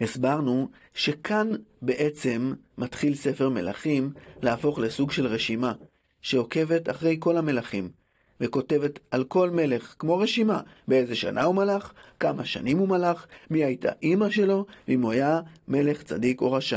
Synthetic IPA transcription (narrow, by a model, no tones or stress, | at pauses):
isbaʁnu | ʃe̞kʰanbe̞ʔe̞t͡se̞mːatχilse̞fe̞ʁme̞̰la̰χimlaafo̞χle̞suɡʃe̞lʁe̞ʃima | ʃeo̞ke̞ve̞taχʁe̞jko̞lame̞laχim | veko̞te̞vetalko̞lme̞le̞χkmo̞ʁe̞ʃimabeezeʃa̰nʔa̰umalaχkamaʃa̰nimumalaχmiajtʰa̰ʔimaʃe̞lo̞veimuajame̞le̞χt͡sa̰diko̞̰ʁaʃa